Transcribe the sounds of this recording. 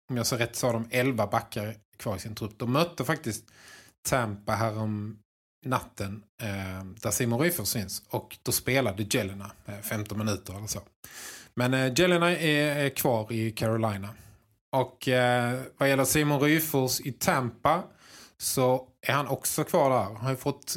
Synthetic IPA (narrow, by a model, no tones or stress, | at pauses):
ɔmjɑːsɑːɾɛt̪ːsɔaɾd̪ɔmɛlvabakːaɾkʰvɑːɾɪsɪnt̪ʰɾɵp̚ːd̪̥ɔmmːœt̪ːəfak̚t̪ɪst̪ʰː | æmpaɦæːɾɔm | nat̪ːən | d̪̥æɾʂiːmʊnɾyːfɔsfɪnsɔkd̪̥ɔspeːlad̪əd͡ʒɛlɪnaɛfɛmt̪ɔnmɪnʉ̟ːt̪əɾɛlːəʂsoː | mɛnd͡ʒɛlɪnaɛːɾkʰvɑːɾɪkʰæɾʊlajna | ʔɔk | vajɛlːəsiːmʊnɾyːfɔsɪt̪ʰɛmpa | sɔʔæɾhanɔksɔkʰvɑːɖɛhæːɾanhajfɔt̪ː